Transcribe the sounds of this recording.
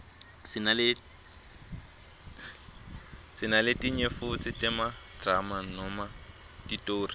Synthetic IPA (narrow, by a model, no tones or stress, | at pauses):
sɪnalɪ | sɪnalɪtʼiɲefʊt͡sʼɪtʼɪmadramanɔma | titʼoːri